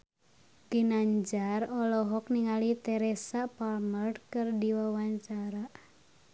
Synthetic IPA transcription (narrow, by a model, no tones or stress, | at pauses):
ɡ̥inaɲd͡ʒarɔlɔɦɔk̚niŋalit̪ɛɾɛsapalmərd̚kɨrdiwawaɲt͡ʃaɾa